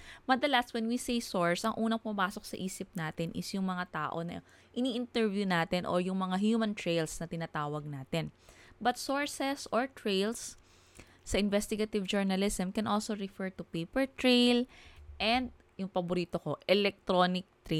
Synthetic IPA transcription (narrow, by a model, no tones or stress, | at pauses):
mɐnd̪ɐlast̪wɛnwisejsoɹsʔɐŋʔuːnɐŋpʊmɐmaːsok̚sɐʔiːsɪp̚naːt̪ɪnʔɪsjʊŋmɐŋat̪aːʔo̞nɐ̰ | ʔɪniːʔɪnt̪ɛɹvjunaːt̪ɛnʔo̰jʊŋmɐŋaɦjumɐ̃nt̪ɹejlsnɐt̪ɪnat̪aːwɐɡ̚naːt̪ɛnbɐt̪̚soɹsɛsʔoɹt̪ɹejlsː | ɐʔɪnvɛst̪ɪɡɐt̪ɪvd͡ʒoɹnɐlɪsɐmkɛnʔolsoɹɪfɛɹt̪upejpɛɹt̪ɹejlʔɛnd̪̚ | jʊŋpɐbʊɾiːt̪oko̞ʔɛlɛk̚t̪ɾonɪk̚t̪ɾe